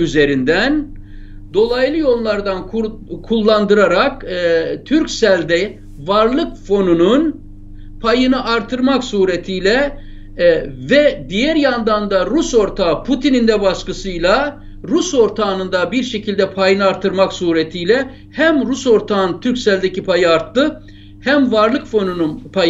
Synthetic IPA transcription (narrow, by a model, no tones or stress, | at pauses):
yze̞ɾind̪æn | d̪o̞lˠajlˠɯjo̞lˠlˠaɾd̪ankʰu | kʰulˠːand̪ɯɾaɾakt̪ʰyɾcsælʲd̪ɛ | vaɾlˠɯkfo̞nunun | pʰajɯnɯʔaɾt̪ʰɯɾmaksuːɾet̪ʰijlʲɛ | vɛd̪ijæɾjand̪and̪aɾuso̞ɾt̪ʰapʰut̪ʰinind̪ɛbaʃkɯsɯjlˠa | ɾuso̞ɾt̪ʰaːnɯnd̪abiɾʃe̞cʰilʲd̪ɛpʰajɯnɯaɾt̪ʰːɯɾmaksuːɾet̪ʰijlʲɛ | hæmɾuso̞ɾt̪ʰaːnt̪ʰyɾcʲsælʲd̪ecipʰajɯaɾt̪ːɯ | hæmvaɾlˠɯkfo̞nununpʰaj